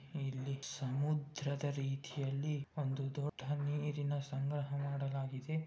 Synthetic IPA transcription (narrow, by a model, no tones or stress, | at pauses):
ilːisɐmud̪ɾɐd̪ɐɾiːt̪ʰijɐlːiond̪ud̪ɔɖʱːɐniːɾinɐsɐŋɡɾɐɦɐmaːɽɐlaːɡid̪e̞